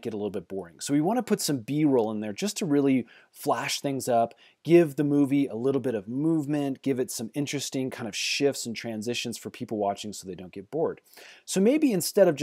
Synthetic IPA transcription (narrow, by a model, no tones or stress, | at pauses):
ɡ̥ɨɾəlɪɾl̩ˠbɪt̚b̥ɔɹɪ̃ŋsoʊwiwɑ̃ɾ̃nəpʰʊtsʌ̃mbiɹolˠə̃nðə˞d͡ʒʌstʰɨɹɪlˠi | flæʃθɪ̃ŋzʌp | ɡ̥ɪvðɨmuviəlɪɾl̩ˠbɪɾʌvmuvmɨ̃nɡ̥ɪvɨtsʌ̃mɪ̃nt͡ʃɹ̥ɨstɪ̃ŋkʰãɪ̃ndʌv̥ʃɪftsn̩tʰɹ̥æ̃nzɪʃɨ̃n̩z̥fə˞pʰipl̩ˠwɑt͡ʃɪ̃ŋsoʊðeɪdõʊ̃nɡ̥ɛt̚b̥ɔɹd̥soʊmeɪbiɨ̃nstɛɾʌvd͡ʒ